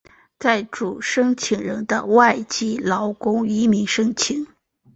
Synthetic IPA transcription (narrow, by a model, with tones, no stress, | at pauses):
t͡sa˥˩ɪʈ͡ʂu˨˩ʂɤ˥ŋt͡ɕʰi˨˩ŋɻə˧˥nd̪ə̰˧wa˥˩ɪt͡ɕi˥lɑ˧˥ʊkʊ˥ŋi˧˥mi˧˥ŋʂɤ˥ŋt͡ɕʰi˨˩˦ŋ